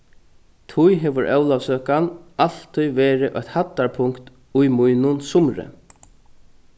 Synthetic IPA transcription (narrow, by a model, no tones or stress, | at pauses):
t̪ʰujɦɛːʋʏɾʔɛwlawsøːkanal̥t̪ʰːʊjʋɛːɾɪʔœçht̪hat̪ːaɹpʰʊŋkt̪ | ʊjmʊjnʊnsʊmɾɪ̰